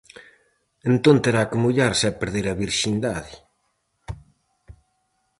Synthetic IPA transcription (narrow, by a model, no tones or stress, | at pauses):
ent̪ont̪eɾakemuʎaɾsɛpeɾðeɾɐβiɾʃind̪aði